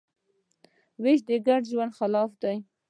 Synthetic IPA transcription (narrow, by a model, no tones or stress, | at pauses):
wɪʃd̪əɡaɖʒwand̪xalɑfd̪aj